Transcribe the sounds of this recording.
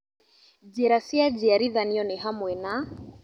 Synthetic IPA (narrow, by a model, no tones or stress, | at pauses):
d͡ʒɛɾasiad͡ʒiaɾiðaniɔnɛɦamwɛna